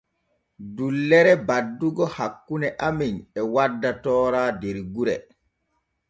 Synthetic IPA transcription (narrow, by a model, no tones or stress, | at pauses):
dulːɛɾɛbadːuɡɔhakːunɛʔaminɛwadːatɔːɾaːdeɾɡuɾɛ̰